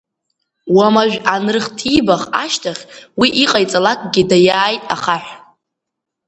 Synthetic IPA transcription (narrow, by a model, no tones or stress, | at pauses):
wamaʒᶣanɨrɨχtʰibaχa̰ʃtʰaχʲwiʔiqʼajt͡sʼalakʼɡʲidajaːjtʼa̰χaħʷ